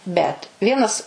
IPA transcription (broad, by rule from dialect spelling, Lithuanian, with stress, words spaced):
bʲɛt ˈʋʲiɛnɐs